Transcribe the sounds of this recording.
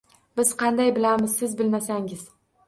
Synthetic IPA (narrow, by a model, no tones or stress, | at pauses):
b̥ɪz̥qʰɑnd̪ajbɪlamɪzsɪzbɪlmasaŋɪz